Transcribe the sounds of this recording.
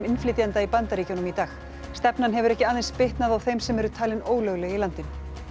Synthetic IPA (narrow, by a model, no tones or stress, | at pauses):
mɪnflɪt̪jant̪aipant̪aɾiːcjonʏmit̪aːx | st̪ɛpnanɦɛvʏɾɛhcɪaːðejnspɪht̪naðawθejmsɛmɛɾʏt̪ʰaːlɪnoːwlœɣlɛɣilant̪ɪn